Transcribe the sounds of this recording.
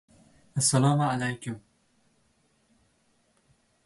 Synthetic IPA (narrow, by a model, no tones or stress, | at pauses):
ʔɐsːɐlɑːmʕalajkʊm